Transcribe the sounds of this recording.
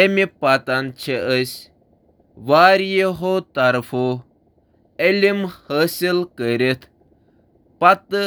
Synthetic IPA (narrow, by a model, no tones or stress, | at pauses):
emipat̪ant͡ʃʰeəsʲ | ʋaːɾjeɦot̪ɐɾfʰo | elʲimhəːsilkəɾit̪ʰ | pɐt̪